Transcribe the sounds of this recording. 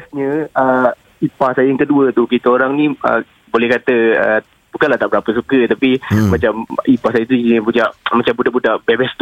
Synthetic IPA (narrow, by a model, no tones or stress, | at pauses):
sɲə̃ə | ipahsajəjaŋkəduət̪ukit̪aoɾaŋnĩə̰ | bolɛhkat̪əə | bukanlaht̪aʔbəɾapəsukət̪apimãt͡ʃamipahsajət̪̬uiɲə̃pud͡ʒaʔmat͡ʃambudaʔbudaʔbebast̪